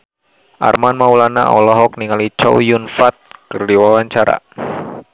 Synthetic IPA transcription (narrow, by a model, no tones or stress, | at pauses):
ʔa̰rmanmaulana̰ɔ̰lɔɦɔk̚niŋalit͡ʃɔ̰wjunfat̪̚kərdiwawaɲt͡ʃaɾa̰